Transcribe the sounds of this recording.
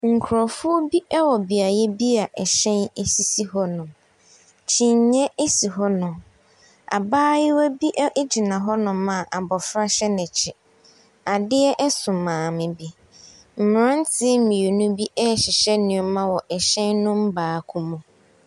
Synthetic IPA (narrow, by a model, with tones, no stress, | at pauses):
ŋ̩˨kʰʊ˨ɾɔ˨fʊ˦ɔ˦bi˦ʔɛ˦wɔ˨bi˨a˨jɛ˦bi˦a˨ʔɛ˨ɕɛ̃˦ne˦si˦si˦hɔ˦nʊ̃˨ | t͡ɕʰĩ˨ɲ˨ɲɛ˦ʔe˦si˨ɦɔ˦nʊ̃˨ | a̰˨baː˦jɪ˦wæ˦bi˦ʔʔd͡ʑi˨nã˨ɦɔ˦nʊ̃˨mã˨ʔa˨bɔ˨fɾa˦ɕɛ˦nɪ̃˨t͡ɕʰɪ˨ | a˨dɪ˦ɛ˦ʔɛ˦sʊ̃˨mãː˨mɪ̃˨bi˦ | m̩˨m˨ɾã˦n̩˦tʰɪ˦mĩ˨e˨nʊ̃˦bi˦ʔɛ˦˨ɕɪ˨ɕɛ˦nɪ̃˨ɔ˨mã˦wɔ˨ʔɛ˨ɕɛ̃˦nnʊ̃˦m̩˦baː˨˦˨kʰʊ˦mʊ̃˨